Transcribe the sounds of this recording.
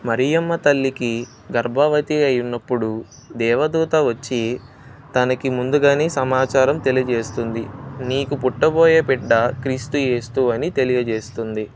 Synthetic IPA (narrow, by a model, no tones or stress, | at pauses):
mɐɾijɐmːɐt̪ɐlːiki | ɡɐɾbʱɐʋɐt̪iɐjunːɐpːuɽu | d̪ɛːʋɐd̪uːt̪ɐʋɐt͡ʃːi | t̪ɐnɐkimund̪uɡaːneːsɐmaːt͡ʃaːɾɐmt̪e̞lijɐd͡ʒe̞ːst̪und̪iniːkupuʈːɐboːjepɛɖːɐkɾiːst̪uje̞ːst̪uːɐnit̪e̞lijɐd͡ʒeːst̪und̪i